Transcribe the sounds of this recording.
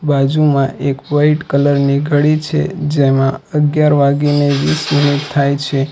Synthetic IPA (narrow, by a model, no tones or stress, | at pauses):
bad͡ʒumãʔekʋaiʈkələɾniɡʱəɭit͡ʃʰḛd͡ʒemãəɡjaɾʋaɡineʋisminit̪ʰːajt͡ʃʰe